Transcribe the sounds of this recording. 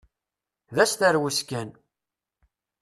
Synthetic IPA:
ðæst̪əɾwiskæn

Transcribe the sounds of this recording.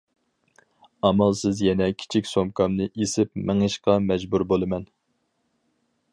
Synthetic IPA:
ɑmɑlˠsɪzjɛnɛkʲʰi̥t͡ʃʰikʲsomkʰɑmnɨʔesɪp̚mɪŋɨʃqɑmɛd͡ʒbuɾbolˠɨmɛn

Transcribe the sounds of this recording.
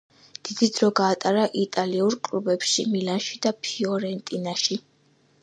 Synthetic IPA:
d̪̥id̪id̪ɾɔɡaːt̪ʼaɾaʔit̪ʼaliuɾkʼlubɛpʃimilanʃid̪apʰiɔɾɛnt̪ʼinaʃi

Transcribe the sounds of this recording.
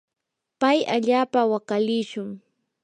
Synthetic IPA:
pajaʎaːpawakalɪʃʊŋ

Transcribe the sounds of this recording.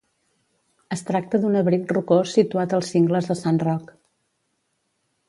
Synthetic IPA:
əst̪ɾak̚t̪əðunəβɾit̪̚rukosit̪uat̪əlˠsiŋɡləzðəsanrɔk

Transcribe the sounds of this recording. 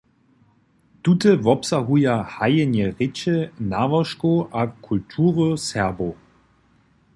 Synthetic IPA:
tutəvɔpsaɦujahajənjəʁɪt͡ʃənaːvɐʃkoʔakʰultʰuːʁosɛɐbo

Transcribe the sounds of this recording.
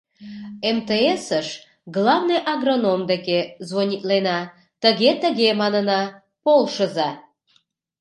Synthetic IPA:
emt̪eesəʃ | ɣlɑvnəjʔɑɣronomd̪ekezvonʲit̪lenɑ | t̪əɣet̪əɣemɑnənɑ | polˠʃəzɑ

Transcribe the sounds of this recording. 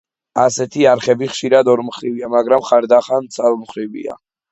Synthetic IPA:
asɛt̪ʰiaɾχɛbiχʃiɾad̪ɔɾmχɾiviamaɡɾamχaɾd̪aχant̪sʰalˠmχɾivḭa̰

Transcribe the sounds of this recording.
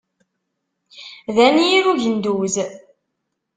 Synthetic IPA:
ðænijiɾuʝənd̪uz

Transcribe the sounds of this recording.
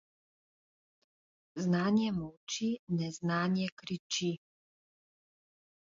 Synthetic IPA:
znaːɲjɛmuwt͡ʃinɛznaːɲjɛkɾit͡ʃi

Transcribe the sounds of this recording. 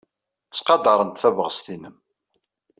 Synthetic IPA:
t͡sːqɑd̪ɑɾˤənt̪θævəʁəst̪inəm

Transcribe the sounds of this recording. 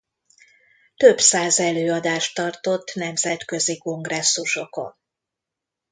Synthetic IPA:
t̪ø̞bsaːzɛløːɒd̪aːʃt̪ːɒrt̪o̞t̪ːnɛmzɛt̪kø̞ziko̞ŋɡrɛsːuʃo̞ko̞̰n

